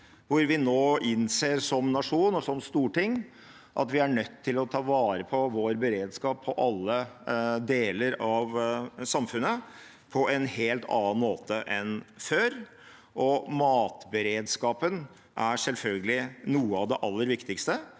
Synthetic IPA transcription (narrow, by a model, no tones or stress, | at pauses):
ʋʊɾʋɪnoːʔɪnseːɾʂɔmnɑʂuːnɔsɔmst̪uːʈɪŋː | ʔɑ̰t̪ʋɪæɳœt̪ʰːɪlɔt̪ʰɑːʋɑːɾəpʰɔʋoːɾbɛɾeːd̪skɑːpʰːɔʔɑlːəd̪eːləɾɑʋsɑmfʉnːə | pʰɔʔɛnheːlt̪ʰɑ̰ːnɑnmoːt̪əʔɛnføːɾ | ʔɔmɑːt̪bɛɾeːd̪skɑːpən | ʔæɾʂɛlfœlɡəlɪnuːəɑʋd̪ɛʔɑlːəɾʋɪkt̪ɪkst̪ə